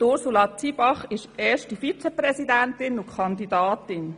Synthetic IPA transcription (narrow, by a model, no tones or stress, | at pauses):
tʊɾsulɑt͡siːbɑχɪʃeːʃtifit͡sɛprɛsidæntɪnʊkʰɑndidɑːtɪn